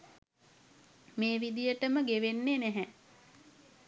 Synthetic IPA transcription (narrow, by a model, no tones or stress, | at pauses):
meːʋid̪ijəʈəməɡeʋenːenæɦɛ